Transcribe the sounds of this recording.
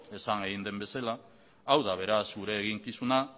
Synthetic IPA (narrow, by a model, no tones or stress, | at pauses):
e̞saŋeɣind̪e̞mbe̞salaː | wðaβ̞e̞ɾasuɾe̞ːɣ̞iŋkisuna